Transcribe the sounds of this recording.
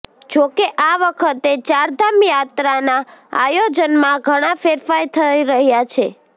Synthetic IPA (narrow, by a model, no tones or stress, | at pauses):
d͡ʒokeʔaʋəkʰət̪et͡ʃaɾd̪amjat̪ɾanaa̰jod͡ʒənmãɡʱəɽ̃ãfeɾfajt̪ʰəjɾəɦjat͡ʃʰe